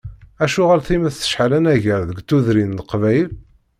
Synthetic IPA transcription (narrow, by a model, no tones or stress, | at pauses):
æʃuʁalθimæθθə̥ʃħalænæʝəɾðəɡt̪ːuðɾind̪qvæjl